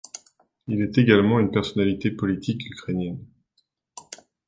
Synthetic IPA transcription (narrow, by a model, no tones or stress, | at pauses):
ilɛt̪eɡalmɑ̃ynpɛʁsɔnalit̪epɔlit̪ʰikykχenjɛn